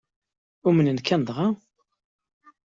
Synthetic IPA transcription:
ʊmənənkænd̪ˤʁɑ

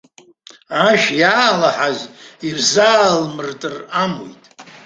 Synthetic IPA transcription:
aʃjaːlaħazirzaːlmɨrtʼɨramo̰jtʼ

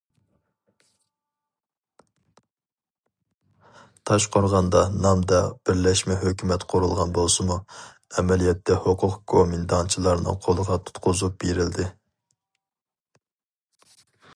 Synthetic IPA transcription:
t̪ʰɑʃqʰoɾʁɑnd̪ɑnɑmd̪ɑb̥ɪɾlɛʃmɛɦøkʲymɛt̪qʰʊɾulˠʁɑnbolˠsɨmu | ɛmɛlijɛt̪ʰːɛhoqʰʊqkʰomind̪ɑnt͡ʃʰilˠɑɾnɨ̰qʰolˠəʁɑt̪ʰu̥t̪qʰʊzup̚beɾɪld̪ɪ

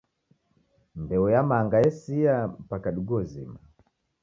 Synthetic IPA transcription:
mbɛɔjamaŋɡaɛsiam̩pakaɗuɡɔzḭma

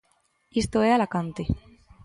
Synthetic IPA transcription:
ist̪oealakant̪e

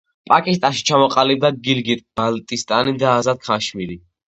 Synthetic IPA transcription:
pʼakʼist̪ʼaʃi̥t͡ʃʰamɔqʼalib̚d̪aɡilɡit̪ʼb̥alt̪ʼist̪ʼanid̪aːzad̪̚kʰaʃmiɾi

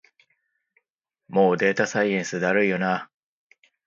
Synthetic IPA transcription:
mo̞ːd̪e̞ːt̪asaiẽɰ̃sɨd̪aɾɯ̟ijona

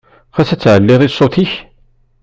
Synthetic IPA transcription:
fæsæt͡sːʕəlːɪðˤisˤːoθiç

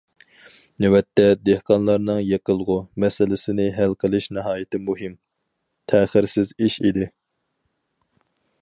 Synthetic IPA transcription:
nɪwɛt̪ʰːɛd̪ehqɑnlˠɑɾnɨŋjeqəlˠʁʊmɛsɪlɪsɪnɪɦælqʰəlˠɨʃnɪɦɑːjɪt̪ʰɪmuɦɪm | t̪ʰɛːχɪɾsɪziʃid̪ɪ

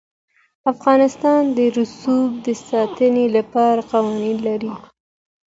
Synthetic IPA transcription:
afɣɑnɪst̪ɑnd̪əɾʊsub̚d̪əsɑt̪ənelapɑɾaqawɑninlaɾi

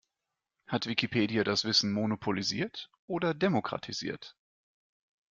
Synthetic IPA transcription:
hatv̥ikipʰeːdiadasv̥ɪsn̩monopʰoliziːɐtʔoːdɐdemokʁ̥a̰tʰizḭːɐt

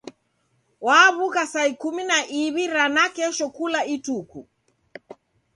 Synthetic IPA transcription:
waβukasaikuminaʔiβiɾanakɛʃɔkulaituku

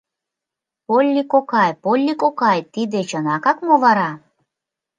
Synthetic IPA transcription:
polʲːikokɑjpolʲːikokɑjt̪id̪et͡ɕənɑkɑkmoβɑɾɑ

